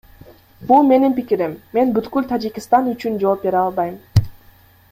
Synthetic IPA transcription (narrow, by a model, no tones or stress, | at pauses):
bulˠme̞nimpikiɾimːe̞nbyt̪kylt̪ʰad͡ʒikʲɪst̪ɑnyt͡ʃynd͡ʒo̞ːp̚be̞ɾɑlˠbɑjm